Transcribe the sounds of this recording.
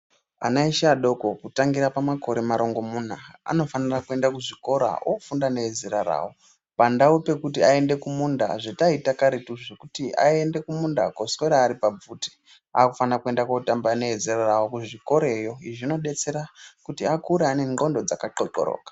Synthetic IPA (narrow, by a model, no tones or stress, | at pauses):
a̰naiʃaɗo̞ko̞kutaŋɡiɾapamako̞ɾe̞maɾo̞ŋɡo̞mun̤aa̰no̞fanirakue̞ndakuʐiko̞ɾa̰ofundane̞ezeɾara̰ːwo̞ | pandaupe̞kutiae̞nde̞kumunda̰ʐetaitakaɾetuʐekutia̰e̞nde̞kumunda̰kosweɾaːɾipab͡vuːti̥ | aːkufanirakue̞ndakotambane̞ezerarawokuʐiko̞ɾe̞jo̞iʐino̞ɗe̞t͡se̞ɾakutiakuɾeane̞ŋ͡ǃo̞ndo̞d͡zakaǃoǃo̰ɾo̰ːkḁ